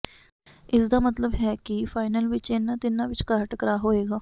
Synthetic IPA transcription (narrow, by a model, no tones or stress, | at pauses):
ɪsd̪aːmət̪ləbɦɛːkɪfʰaːɪnəlʋɪt͡ʃenːãːt̪ɪnãːʋɪt͡ʃkaːʈkəɾaːɦoːeːɡaː